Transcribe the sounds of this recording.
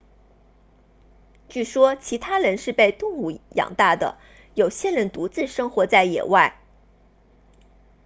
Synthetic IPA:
t͡ɕy˥˩ʂwɔ˥t͡ɕʰi˧˥t̪ʰa˥ɻə˧˥nʂɻ̩˥˧pe˥˧ɪt̪ʊ˥˧ŋu˥˩jɑ̰˨˩ŋt̪a˥˩d̪ə̰˩ | jo˨˩ʊɕjɛ˥ɻə˧˥nt̪u˧˥t͡sɹ̩˥˩ʂɤ˥ŋxwɔ˧˥t͡sa˥˩ɪjɛ̰˨˩wa˥˩ɪ

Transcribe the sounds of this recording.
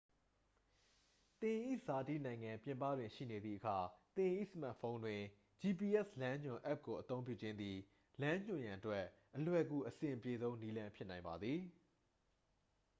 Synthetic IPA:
t̪ɪ̃˨ʔḭ˦˨za˨ti˦˨nã˨ɪ̃ŋã˨pjɪ̃˨mpä̰˦˨dwɪ̃˨ʃḭ˦˨ne˨d̪ðḭ˦˨ʔəkʰa˨t̪ɪ̃˨ʔḭ˦˨səma̰˦ʔfʰõ˦ʊ̃ndwɪ̃˨ | d͡ʑi˨pi˨ʔɛ˦slã˦ɲʊ̃˨ʔɛ˦˨p̚ko˨ʔət̪õ˦ʊ̃pjṵ˦˨d͡ʑɪ̃˦nd̪ði˨ | lã˦ɲ̥ʊ̃˨jã˨ʔətwɛ˦ʔʔəlwɛ˨ɡu˨ʔəsɪ̃˨ʔpje˨zõ˦ʊ̃ni˦lã˦mpʰjɪ˦ʔnã˨ɪ̃mba˨d̪ði˨

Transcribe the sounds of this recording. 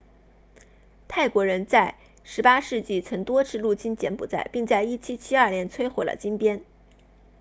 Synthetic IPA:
t̪ʰa˥˩ɪkwɔ˧˥ɻə˧˥nt͡sa˥˩ɪ | ʂɻ̩˧˥pa˥ʂɻ̩˥˧t͡ɕi˥˩t͡sʰɤ˧˥ŋt̪wɔ˥ʈ͡ʂʰɻ̩˥˧lu˥˩t͡ɕi˥nt͡ɕjɛ˧˥npṵ˨˩t͡sa̰˥˩ɪpi˥˧ŋt͡sa˥˧ɪi˥˩t͡ɕʰi˥t͡ɕʰi˥ɐ˞˥˧ljɛ˥˧nt͡sʰwe˥ɪxwe˨˩lə̰˨˩t͡ɕi˥npjɛ˥n

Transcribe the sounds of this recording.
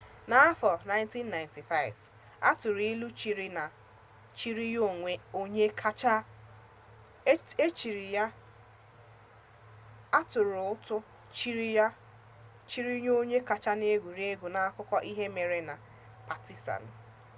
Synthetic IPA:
na˨˦a˦fɔ˨na˦ɪ̃˦nti˦nːa˨ɪ˨nti˨fa˦ɪ̰˨v | a̰˦tʊ˨ɾi˦lu˦t͡ʃi˨ɾi˦na˨ | t͡ʃi˦ɾi˦jo˦˨ŋʷe˨o˦ɲe˦a˦t͡ʃa˦ | e˦t͡ʃi˨ɾi˨ja˦ | a˦tʊ˨ɾʊ˨ʊ˦tʊ˦ | t͡ʃi˦ɾa˦ | t͡ʃi˦ɾi˦ɲ˦o˦ɲe˦ka˨t͡ʃa˦ne˦ɡʷu˨ɾi˦e˦ɡu˨na˨a˦kʊ˦kʷɔ˦ʔi˦ɦe˦me˨ɾe˨na˨ | pa˨ti˦sa̰˨n̩˨

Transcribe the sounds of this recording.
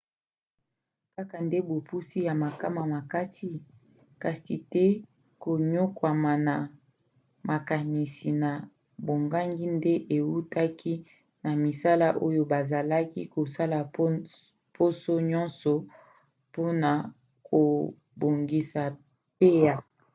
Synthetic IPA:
ka˦ka˨nde˦bo˨pu˦si˦ja˨ma˨ka˦ma˨ma˨ka˦si˦ | ka˨si˨tɛ˦ | ko˨ɲo˦kwa˨ma˨na˨ | mʔa˨ka˨ni˨si˨na˨ | bo˨ŋɡa˦ŋɡi˦nde˦ʔe˨wu˦ta˦kʰi˦ | na˨mi˨sa˦la˦ʔo˦jo˦ba˨za˨la˦kḭ˦ko˨sa˦la˨˦ | pʰo˦so˦ɲɔ̃˦nsɔ˨ | po˦na˨ | kʰo˨ | bo˨ŋɡi˨sa˨ | pe˦ja˨

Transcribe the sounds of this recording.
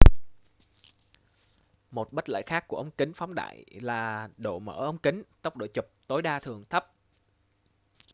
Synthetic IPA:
mo˨˩t̚ɓə˦˥t̚lə̰ː˧˨˩jxaː˦˥kːu˧˩əʔə˧wŋ͡mkï˨˦ŋ̟fa˨˦wŋ͡mɗa̰ː˧˨jlaː˨˩ɗo̰˧˨mə̰ː˧˩ʔə˧wŋ͡mkï˨˦ŋ̟t̪ə˦˥wk͡p̚ɗo̰˧˨t͡ɕʊ˨˩k͡p̚t̪o˨˦jɗaː˧t̪ʰɨ˨˩əŋt̪ʰə˦˥p̚

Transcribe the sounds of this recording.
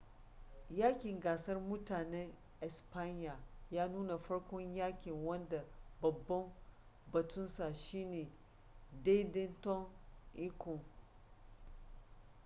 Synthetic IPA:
jaː˦kʲɪ˨ŋɡaː˨sɐ˦rmʊ˦taː˨nɛ˦ŋ | ʔɛ˨spa˦ɲjaː˨jaː˦nuː˦na˨ɸɐ˦ɽkʷɔ˦ɲjaː˦kʲɪ˨ŋwɐ˦nda˨bɐ˨bːɐ˦m | bɐ˨tʰʊ˦nsa˨ʃiː˦neː˨ | de˦jdɛ˦ntɔ˦ŋʔi˦kɔ˨ŋ

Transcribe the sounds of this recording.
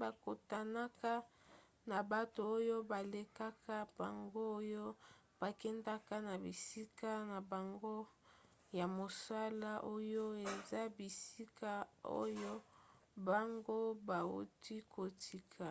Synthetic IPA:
ba˨ko˨ta˨na˦ka˦ | na˨ba˨to˨o˦jo˦ba˨le˨ka˦ka˦b̥a˨ŋɡo˦o˦jo˦ | b̥a˨kɛ˦nda˦ka˦na˨bi˨si˦ka˦na˨ba˨ŋɡo˦ | ja˨mo˨sa˦la˦ʔo˦jo˦e˨za˦bi˨si˦ka˦o̰˦jo˦ | ba˨ŋɡo˦ba˨ṵ˦ti˦kʰo˨tʰi˨kʰa˨

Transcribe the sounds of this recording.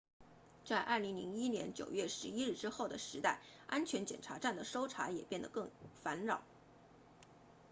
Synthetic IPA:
t͡sa˥˧ɪʔɐ̰˥˩li˧˥ŋlḭ˧˥ŋi˥njɛ̰˧˥nt͡ɕjo˨˩ʊɥɛ˥˩ʂɻ̩˧˥i˥ɻɻ̩˥˩ʈ͡ʂɻ̩˥xo˥˩ʊd̪ə˩ʂɻ̩˧˥t̪a˥˩ɪ | a˥nt͡ɕʰɥɛ˧˥nt͡ɕjɛ˨˩nʈ͡ʂʰa˧˥ʈ͡ʂa˥˩nd̪ə˩ʂo˥ʊʈ͡ʂʰa˧˥jɛ˨˩pjɛ˥˩nd̪ə̰˩kɤ˥˩ŋfa˧˥nɻɑ˨˩˦ʊ

